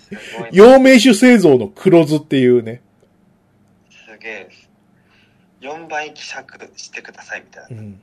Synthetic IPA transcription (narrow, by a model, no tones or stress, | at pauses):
jo̞ːme̞ːɕ̬ɨse̞ːzo̞ːno̞kʰɯ̟ɾo̞zɨt̪ːe̞jɯ̟ːne̞ | sɨɡʲe̞ | jõ̞mbãikʲi̥sakɯɕi̥t̪e̞kɯ̟d̪asaimʲit̪ajnaɯ̃ɴ